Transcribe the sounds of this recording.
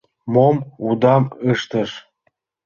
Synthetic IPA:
momud̪ɑməʃt̪ə̆ʃ

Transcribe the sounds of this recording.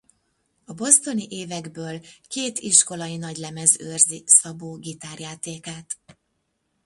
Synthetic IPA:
ɒbo̞st̪o̞niʔeːvɛɡbøːlkeːt̪iʃko̞lɒjinɒɟlɛmɛzørzisɒboːɡit̪aːrjaːt̪eːkaːt̪

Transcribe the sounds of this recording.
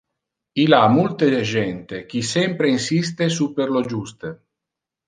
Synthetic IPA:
ilamult̪ed͡ʒɛnt̪ek̟isɛmpɾeinsist̪esupeɾlod͡ʒust̪e

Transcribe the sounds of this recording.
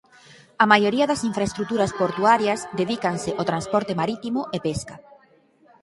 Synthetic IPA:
amajoɾiɐðɐsiɱfɾaest̪ɾukt̪uɾɐspoɾt̪uaɾjɐsd̪eðikanseʔot̪ɾanspɔɾt̪emaɾit̪imʊʔepeska

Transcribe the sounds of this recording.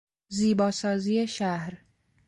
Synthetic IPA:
ziːbɒːsɒːziːjeʃæhɾ

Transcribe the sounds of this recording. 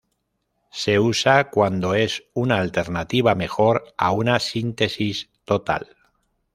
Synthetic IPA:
se̞usakwand̪o̞e̞sunaːlt̪e̞ɾnat̪iβ̞ame̞xo̞ɾa̰unasint̪e̞sist̪o̞t̪a̰l

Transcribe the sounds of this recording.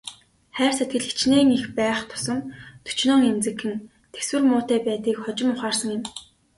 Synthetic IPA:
χæːr̥set̪̚ɡɘ̆ɮi̥t͡ɕneːŋixpæːχt̪ʰʊ̥sɞ̆nt̪ʰɵ̥t͡ɕnoːŋent͡sɘ̆kːɘ̆n | t̪ʰe̥swɘ̆rmʊːt̪æːpæːt̪iːkχɔt͡ɕɪ̆mʊχaːrsə̆ŋɪ̆m

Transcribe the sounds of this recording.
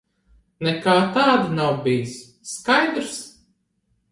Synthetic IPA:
nɛkaːt̪aːd̪inawbijsː | kajd̪ɾs

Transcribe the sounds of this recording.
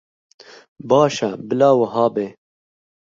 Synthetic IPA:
bɑːʃɛbɨlɑːwɐɦɑːbeː

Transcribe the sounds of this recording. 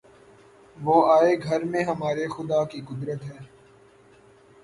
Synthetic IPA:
ʋoːaːeɡʱɐɾmẽɦɐmaːɾexʊd̪aːkikʊd̪ɾət̪ɦɛː

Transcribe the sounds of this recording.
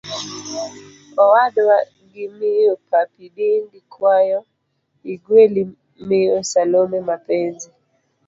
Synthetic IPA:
ɔwaɗɔwa | ɡimiɔpʰapiɗinɡikʰwajɔ | iɡweli | miɔsalɔmɛmapɛnzi

